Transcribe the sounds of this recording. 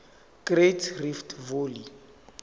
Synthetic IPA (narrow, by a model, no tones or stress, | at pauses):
kretʰriftʰvoli